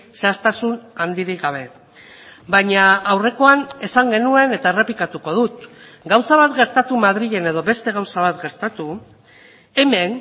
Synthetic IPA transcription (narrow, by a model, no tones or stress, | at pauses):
seast̪asunand̪iɾiɣaβ̞e̞ | baɲaːwre̞ko̞ane̞saŋɡe̞nue̞ne̞t̪aere̞pikat̪uko̞ð̞ut̪ | ɡawsaβat̪ɡe̞ɾt̪at̪umað̞ɾiɣe̞ne̞ð̞o̞βe̞st̪e̞ɣ̞awsaβ̞at̪ɡeɾt̪at̪u | e̞me̞n